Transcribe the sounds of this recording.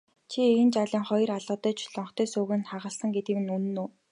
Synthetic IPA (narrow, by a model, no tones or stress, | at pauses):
t͡ɕʰient͡ɕaɮʲə̆ːŋχɔj̆raɮɔ̆ːt̪œːt͡ɕʰɮɔɴχt̪ʰœːsʊːɣɘ̆nχaʁə̆ɮsə̆ŋɡet̪ɡɘ̆kɘ̆nunɵ̆nuː